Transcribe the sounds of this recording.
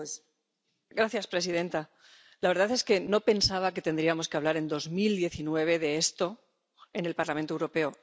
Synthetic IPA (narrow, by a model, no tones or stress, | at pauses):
s | ɡɾaθjaspɾe̞sið̞e̞nt̪a | laβe̞ɾðaθe̞ske̞no̞pe̞nsaβ̞ake̞t̪end̪ɾiamoske̞aβlaɾe̞nd̪o̞zmild̪je̞θinwe̞β̞e̞ðe̞est̪o̞ | e̞ne̞lpaɾlamẽnt̪owɾo̞pe̞o